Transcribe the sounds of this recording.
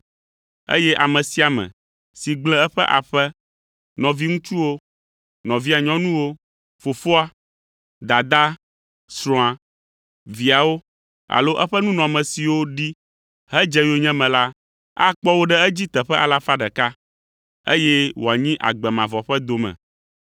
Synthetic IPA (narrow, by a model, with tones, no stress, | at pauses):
ḛ˦jɛ˦ʔa˨mɛ̃˨si˨˦a˨mɛ̰̃˨ | si˨ɡ͡blɛ˦ɛ˦ɸɛ˦ʔa̰˨ɸɛ˦ | nɔ̃˨vi˦ŋũ˦t͡ʃu˦wo˦ | nɔ̃˨vi˦a˨ɲɔ̃˦nũ˦wo˦ | fo˨fo˦a˦ | d̪a˨d̪a˦ | sɾɔ̃˨a˨ | vi˨a˨wo˦ | a̰˨lo˦ʔɛ˦ɸɛ˦nũ˦nɔ̃˨mɛ̃˨si˨wo˦ɖi˦ | ɦɛ˦d͡ʒɛ˦jo˦ɲɛ̃˦mɛ̃˨la˦ | a̰˦k͡pɔ˦wo˦ɖɛ˦ɛ˦d͡ʑi˦t̪ɛ˨ɸɛ˦ʔa˨la˦fa˦ɖɛ˨ka˦ | ḛ˦jɛ˦wo˨a˨ɲĩ˦ʔa̰˨ɡ͡bɛ˨mã˨vɔ˨ɸɛ˦d̪o˨mɛ̰̃˨